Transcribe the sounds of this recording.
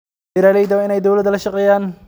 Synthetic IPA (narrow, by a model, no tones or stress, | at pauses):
ɪɾaːlɛjd̪ɐɪnɛjd̪owlɐd̪ɐlɐʃɐqʼɛjaːn